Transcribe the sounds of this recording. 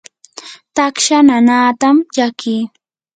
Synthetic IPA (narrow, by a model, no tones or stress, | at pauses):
t̪akʃananaːt̪amʎakiː